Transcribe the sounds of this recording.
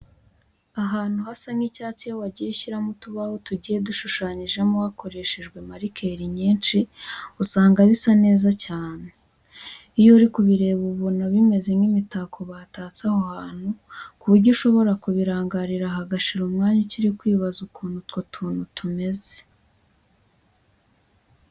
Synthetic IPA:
aɦaːn̥uhasaŋicaːt͡sijowaɟijeʃiɾamutuβahotuɟiːje̞duʃuʃaːɲiʒe̞muwako̞ɾe̞ʃeʒɡwe̞maɾikʰeɾiɲiːnt͡ʃiusaːŋɡaβisane̞ːzacaːne | ijoɾikuβiɾe̞ːβuβunaβime̞ze̞ŋɡimitakʰoβaːtaːt͡sahohaːn̥hukuβuɾɟuʃo̞βo̞ɾakuβiɾaːŋɡaɾiɾaɦaɡaʃiɾumŋaːɲaciɾikwiːβazukʰuːnhutkotʰuːnhutʰume̞ze̥

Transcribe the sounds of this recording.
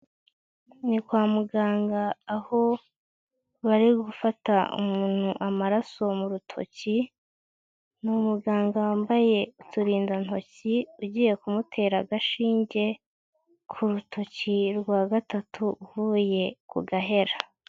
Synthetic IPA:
nikwaːmuɡaːŋɡaːho̞ | βaɾiɡufataṵmuːn̥huʔamaɾaso̞muɾutʰo̞̰ci | numuɡaːŋɡawaːmbaje̞utuɾiːndan̥ho̞ciuɟiːje̞kumutʰe̞ːɾaɡaʃiːɲɟe̞ | kʰuɾutʰo̞ciɾɡwaːɡatatʰuuvuːje̞kṵɡaɦe̞ɾa

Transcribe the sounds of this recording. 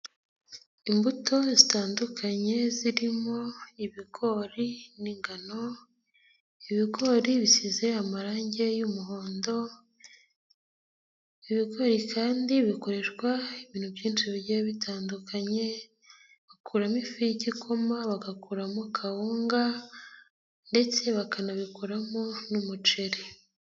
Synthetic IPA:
imbuto̞zitaːndukʰaɲe̞ziɾimo̞iβiɡo̞ɾiniŋɡano̞ | iβiɡo̞ɾiβisize̞amaɾaːɲɟe̞jumuɦoːndo̞ | iβiɡo̞ɾikʰaːndiβiko̞ɾe̞ʃɡwaiβiːn̥hubjiːnt͡ʃiβiɟejβitʰaːndukʰaɲe̞ | βakʰuːɾamifijiɟikʰomaβaɡakuːɾamukʰahuːŋɡa | nde̞t͡se̞βakanaβikoɾamonumut͡ʃeɾe

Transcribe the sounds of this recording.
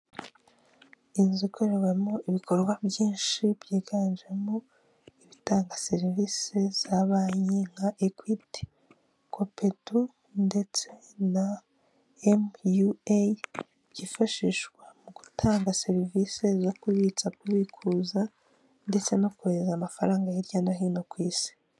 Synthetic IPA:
inzikʰo̞ɾe̞wemoiβikʰo̞ɾɡwabjiːnʃibjiːɡanʒemo | iβitaːŋɡase̞ɾiviːsez̥aβaːjeŋɡaʔekwipti̥ | kʰo̞pe̞tu | nde̞t͡se̞ | na | emjua | ɟifaʃiʃɡwamuɡ̥utʰaːŋɡase̞ɾivise̞zo̞kwiβit͡sakuβikʰuza | nde̞t͡se̞no̞kuɾezamafaɾaːŋɡajiɾɟanaɦiːno̞kwiːsi̥

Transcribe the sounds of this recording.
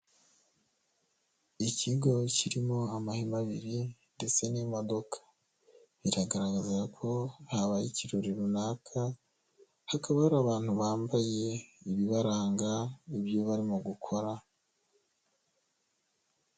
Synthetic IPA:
iciɡo̞ciɾimo̞amahimaβiɾinde̞t͡se̞nimo̞do̞kʰḁ | βiɾaɡaɾaɡazakʰo̞haβajiciɾoɾiɾunaːkʰa | hakaβahɾaβaːn̥huβaːmbaje̞iβiβaɾaːŋɡaiβjoβaɾimoɡukʰo̞ɾa

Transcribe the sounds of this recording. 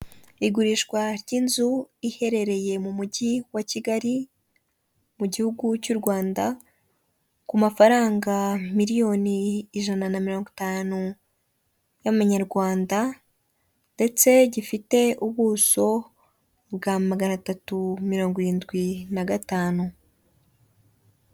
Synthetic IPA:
iɡuɾiʃkwaɾɟinzuihe̞ɾe̞ɾe̞je̞mumuɟiwaciɡaɾi | muɟihuɡucuɾɡwaːnda | kumafaɾaːŋɡamiɾijo̞niːʒananamiɾo̞ːŋɡotaːnu | jamaɲaɾɡwaːnda | nde̞t͡se̞ɟifite̞uβuːso̞ | bɡamaɡanatatumiɾo̞ːŋɡoɾiːndɡwinaɡataːnu

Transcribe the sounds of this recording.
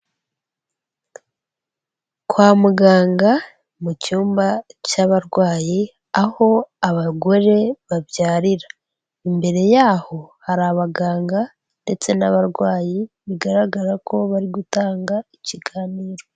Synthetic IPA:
kwaːmuɡaːŋɡa | mucuːmbacaβaɾɡwaːji | aho̞aβaɡo̞ɾe̞βaβjaːɾiɾa | imbe̞ɾe̞jaːho̞haɾaβaɡaːŋɡa | nde̞t͡se̞naβaɾɡwaːjiβiɡaɾaɡaɾakʰo̞βaɾiɡutaːŋɡaiciɡaːniːɾo̞

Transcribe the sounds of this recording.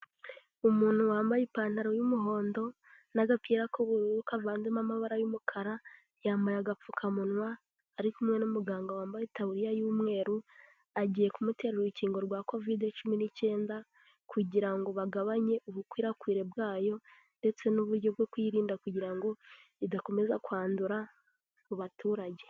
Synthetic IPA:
umuːn̥huwaːmbajipaːn̥aɾojumuɦo̞ːndo̞ | naɡapiːɾakoβuɾukavaːnzemamaβaɾajumukʰaɾa | jaːmbajaɡap͡fukʰamunwaː | ɾikumŋe̞numuɡaːŋɡawaːmbajetaβuɾijajumŋe̞ːɾu | aɟiːje̞kumute̞ɾeɾiciːŋɡo̞ɾɡwako̞videt͡ʃuminice̞ːnda | kʰuɟiɾaŋɡo̞βaɡaβaɲe̞ʔuβukwiːɾakwiːɾe̞bɡaːjo̞ | nde̞t͡se̞nuβuɾɟo̞b̚ɡo̞kwiːɾiːndakuɟiɾaŋɡo̞ | idako̞me̞zakwaːnduɾa | muβatuːɾaɟe̞̥

